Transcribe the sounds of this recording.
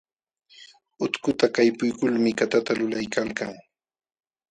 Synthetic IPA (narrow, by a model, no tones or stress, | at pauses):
ʊt̪kʊt̪akajpʊjkʊlmɪkat̪at̪alʊlajkalkaŋ